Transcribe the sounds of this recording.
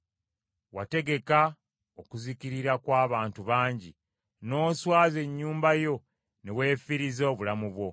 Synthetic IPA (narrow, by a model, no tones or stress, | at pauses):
wate̞ɡe̞ka | okuziciɾiɾakwaːβaːntuβaːɲɟḭ | no̞ːswaːze̞ɲːuːmbajo̞ | ne̞we̞ːfiɾizo̞ːβulamuβwo̞